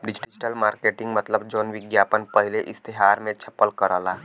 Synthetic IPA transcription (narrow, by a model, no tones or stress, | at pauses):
ɖɪd͡ʒɪʈd͡ʒʈəlmaːɾkeːʈɪ̃ŋɡmət̪ləbd͡ʒoːnʋɪɡjaːpənpəɦɪleʔɪst̪eɦaːɾmẽt͡ʃʰɐ̥pːəlkəɾaːlaː